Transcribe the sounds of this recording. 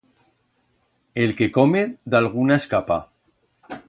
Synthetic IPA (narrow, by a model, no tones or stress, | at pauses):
elkekomed̪alɣ̞unaeskapa̰